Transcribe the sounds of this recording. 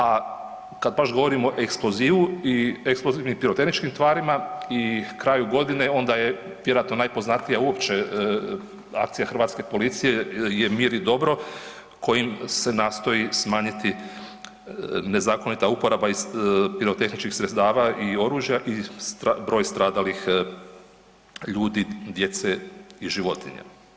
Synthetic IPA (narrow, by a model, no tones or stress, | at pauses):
a | kad̪̚baʃɡo̞ʋo̞ɾimo̞ʔeksplo̞ziːʋuieksploziːʋnimpiɾot̪e̞xnit͡ʃkimt̪ʋaːɾimaikɾaːjuɡo̞d̪ineo̞nd̪aje | ʋjeɾoat̪no̞najpo̞znat̪lijauo̞pt͡ʃe | a̰k̚t̪sijaxrɾʋaːt̪ske̞po̞lit̪sije̞jemiːɾid̪o̞bɾo̞ | ko̞jimse̞naːst̪o̞jismaːɲit̪i | ne̞zaːko̞nit̪aupo̞ɾabaizpiɾo̞t̪e̞xnit͡ʃkixsɾet̪st̪aːʋaio̞ɾuːʒjaʔisbɾo̞ːjst̪ɾaːd̪alix | ʎuːd̪id̪je̞t̪seiʒiʋo̞t̪ḭɲa̰